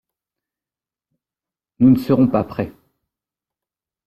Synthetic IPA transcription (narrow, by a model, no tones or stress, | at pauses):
nunəsəʁɔ̃papχɛ